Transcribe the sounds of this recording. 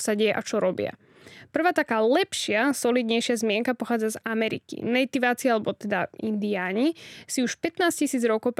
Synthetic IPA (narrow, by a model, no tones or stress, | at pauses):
saɟɛjɛʔat͡ʃɔɾɔbɪa̰ | pr̩ʋaːt̪akaːlɛpʃɪasɔliːd̪ɲɛjʃɪazmɪɛŋkapɔxaːd͡zazamɛɾḭkḭnɛjt̪iʋaːt͡sialɛbɔt̪ɛd̪aind̪iaːɲisiuʃpɛt̪naːscisiːd͡zɾɔkɔʊp